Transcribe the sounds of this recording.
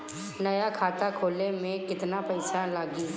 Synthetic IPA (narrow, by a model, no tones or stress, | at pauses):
nɐjakʰaːt̪akʰoːlemẽkɪt̪napɐɪsalaːɡi